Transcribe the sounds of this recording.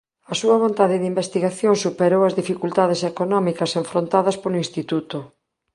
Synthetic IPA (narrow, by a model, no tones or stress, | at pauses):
ɐsuɐβ̞ont̪aðɪðimbest̪iɣaθjoŋsupeɾowɐzðifikult̪aðesekonɔmikɐseɱfɾont̪aðɐspoloinst̪it̪ut̪o